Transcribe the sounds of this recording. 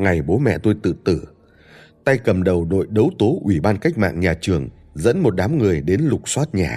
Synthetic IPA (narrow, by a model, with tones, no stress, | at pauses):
ŋa˨˩jɓo˨˦mɛ̰˧˨t̪o˧jt̪ɨ̰˧˨t̪ɨ̰˧˩ | t̪a˧jkə˨˩mɗə˨˩wɗo̰˧˨jɗə˨˦wt̪o˨˦ʔwi˧˩ɓaː˧nka˦˥jk̟̚ma̰ː˧˨ŋɲaː˨˩t͡ɕɨ˨˩əŋ | zə̰˧˥nmo˨˩t̚ɗaː˨˦mŋɨ˨˩əjɗe˨˦nlʊ˨˩k͡p̚swaː˦˥t̚ɲaː˨˩